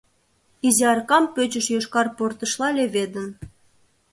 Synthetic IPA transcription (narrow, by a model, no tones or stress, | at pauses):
izeɑrkɑmpøt͡ɕəʃjoʃkɑrport̪ə̆ʃlɑlʲeβed̪ə̆n